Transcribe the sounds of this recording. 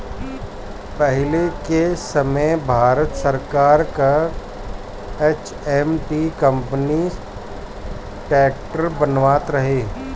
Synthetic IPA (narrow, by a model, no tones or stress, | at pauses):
pəɦɪlekesɐməjbʱaːɾət̪səɾkaːɾka | et͡ʃ | ɛmʈikə̃mpni | ʈɛːk̚ʈəɾbɐnʋaːt̪ɾɐɦeː